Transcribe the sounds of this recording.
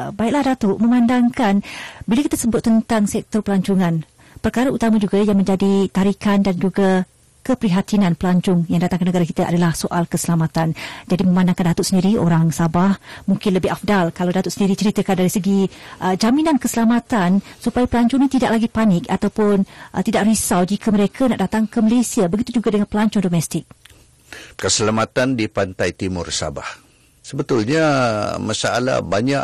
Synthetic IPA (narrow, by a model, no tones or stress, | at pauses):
baik̚lahdat̪ʊʔmə̃mãndaŋkanbilakit̪əsəbʊt̪̚ːənt̪aŋsɛk̚t̪ɔrpəlaɲt͡ʃuŋãn | pərkaɾaut̪amad͡ʒuɡajaŋmə̃ɲd͡ʒadit̪aɾikandand͡ʒuɡa | kəpɾiɦat̪inãnpəlaɲt͡ʃʊŋjaŋdat̪aŋkənəɡaɾakit̪əʔa̰dalahsoʔalkəsəlamat̪and͡ʒadimə̃mandaŋkandat̪ʊʔsəndiɾio̰ɾaŋsabahmuŋkɪnləbɪhafdalkalawdat̪ʊʔsəndiɾit͡ʃəɾit̪əkandaɾisəɡiʔəd͡ʒaminankəsəlamat̪ansupajapəlaɲt͡ʃɔɲat̪idaʔ̚laɡipanɪkat̪awpʊnʔət̪idaʔrisawd͡ʒikʰəməɾekʰanaʔdat̪aŋkəməlesiabəɡit̪ud͡ʒuɡadəŋanpəlaɲt͡ʃɔndomɛst̪ɪk̚ | kəsəlamat̪andipant̪ajt̪imʊrsa̰ba̰h | səbət̪ʊlɲamasaa̰la̰baɲaʔ